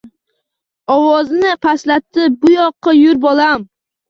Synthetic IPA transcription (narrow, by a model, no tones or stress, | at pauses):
ɒwɒznɪqʰaslat̪ːɪbʊjɒqʰːɑjʊɾbolˠam